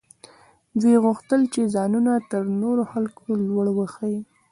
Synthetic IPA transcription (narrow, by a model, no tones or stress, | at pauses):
d̪ijɣuxt̪əlt͡ʃezɑnunat̪əɾnoɾoxalkʰolwəɽwəxəji